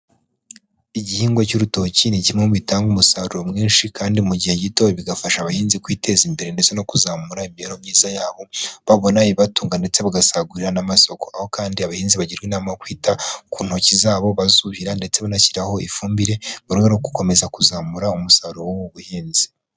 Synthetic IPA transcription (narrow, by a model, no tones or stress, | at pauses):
iɟihiːŋɡwocuɾuto̞ciniɟimŋemuβitaːŋɡumusaɾuɾomŋiːnʃikʰaːndimuɟihe̞ɟitoβiɡafaʃaːβahiːnzikwiːte̞zimbe̞ɾe̞nde̞t͡se̞no̞kuzaːmuɾaimieɾo̞mɲiːzajaːβo̞βaβo̞naiβatuːŋɡande̞t͡se̞βaɡasaɡuɾiɾanamaso̞ko̞aho̞kaːndiaβahiːnziβaɟiɾɡwinamaokwiːtakuːn̥ho̞cizaːβo̞βazuβiɾande̞t͡se̞βanaciɾaho̞ifuːmbiɾe̞muɾweɾokɡu̥ko̞me̞zakuzaːmuɾaumusaɾuowowuβuhiːnzi̥